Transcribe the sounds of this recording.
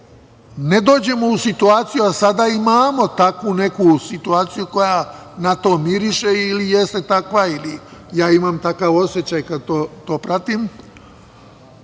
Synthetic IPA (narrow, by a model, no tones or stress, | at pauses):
ned̪o̞ːd͡ʑe̞mousit̪uaːt̪sijuasad̪aimaːmo̞t̪akʋune̞kusit̪uaːt̪sijuko̞ja | nat̪o̞ːmiɾiʃeilijest̪e̞t̪akʋailijaːimamt̪akaʋo̞sje̞t͡ɕajkad̪̚t̪oːt̪o̞ːpɾat̪im